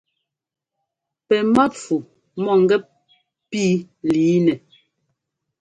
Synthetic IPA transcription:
pɛ˨ma˦tfu˨ | mɔ˦˨ŋ̩˦ɡɛ˦ | piː˦ | liː˨˦nɛ˨

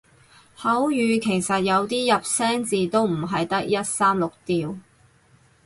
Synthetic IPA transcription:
hɐ˨˥wjyː˨˧kʰe˨˩jsɐ˨t̚jɐ˨˧wt̪iː˥jɐ˨p̚sɛː˥ŋt͡siː˨t̪o˥wm̩˨˩ɦɐ˨jt̪ɐ˥k̚jɐ˥t̚saː˥mlʊ˨k̚t̪iː˨˧w

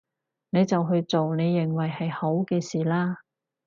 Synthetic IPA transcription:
ne˨˧jt͡sɐ˨wɦɵ˧ɥt͡so˨wne˨˧jːɪ˨˩ŋwɐ˨˩jhɐ˨jho˨˥wkɛː˧siː˨laː˥

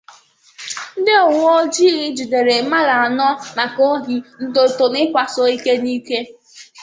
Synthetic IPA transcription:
dɪ˦ɔ˨wo˦d͡ʒi˦ɣɪ˦d͡ʒi˨de˨ɾe˨˦ma˦la˨a˨nɔ˦na˨ko˦ɦi˦n̩˦do˨to˨nɪ˦kʷa˨so˦i˦ke˦ni˦ke˦

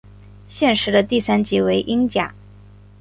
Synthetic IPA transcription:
ɕjɛ˥˩nʂɻ̩˧˥d̪ə˧t̪i˥˩sa˥nt͡ɕi˧˥we˧˥ɪʔi˥ŋt͡ɕja̰˨˩˦

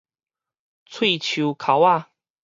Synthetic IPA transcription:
t͡sʰwe˥˧˨t͡ɕʰu˨˦kʰa˨˧˦wa˥˨

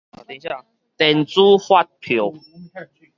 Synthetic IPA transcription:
t̪ĩ˧ɕa˥˨ | t̪e˨nt͡su˦hwa˦t̚pʰjo˨˦

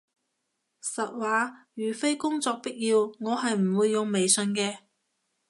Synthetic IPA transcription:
sɐ˨t̚waː˨˧jyː˨˩fe˥jkʊ˥ŋt͡sɔː˧k̚pi˥k̚jiː˧wŋɔː˨˧ɦɐ˨jm̩˨˩wuː˨˧jːʊ˨˧ŋme˨jsɵ˧nkɛː˧

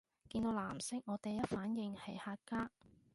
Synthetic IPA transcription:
kiː˧nt̪o˨˧wlaː˨˩msɪ˥k̚ŋɔː˨˧t̪e˨jːɐ˥t̚faː˨˥njɪ˨˧ŋhɐ˨˩jhaː˧t̚kaː˥

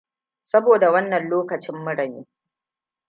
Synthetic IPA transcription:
sɐ˦boː˨da˨wɐ˦nːɐ˨nloː˦kɐ˨t͡ʃɪ˦mːʊ˦ɽɐ˨ɲiː˦

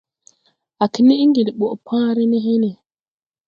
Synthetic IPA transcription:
a˨ki˨ni˦ŋɡi˨li˨ɓɔ˨ʔpʰã˦ɾi˦ni˦ɦi˦ni˨

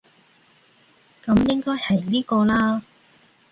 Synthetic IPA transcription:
kɐ˨˧mjɪ˥ŋkɔː˥jhɐ˨˩jliː˥kɔː˧laː˥

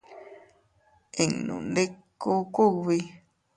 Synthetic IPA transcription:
e˨ŋnṵ̃˨nde˦kːo˦ku˦˨βi˧

